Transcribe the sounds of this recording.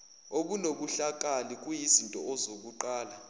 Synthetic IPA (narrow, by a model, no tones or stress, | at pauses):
oɓunoɓuɬak̬ʼalik̬ʼujizintʼɔ̰ɔzok̬uǃaːla